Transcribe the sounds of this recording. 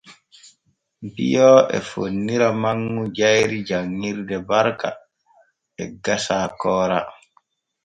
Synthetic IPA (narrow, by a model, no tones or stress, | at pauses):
mbḭjɔʔɛ̰fonːiɾamaŋːud͡ʒajɾid͡ʒaŋːiɾdɛbaɾka̰ | ɛ̰ɡasaːkɔːɾa